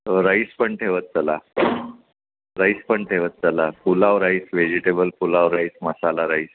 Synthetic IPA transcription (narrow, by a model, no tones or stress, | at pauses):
ɾaispəɳʈʰeʋət̪̚t͡səla | ɾaispəɳʈʰeʋət̪̚t͡səlafulaʋɾaisʋed͡ʑiʈebəlfulaʋɾaisməsalaɾais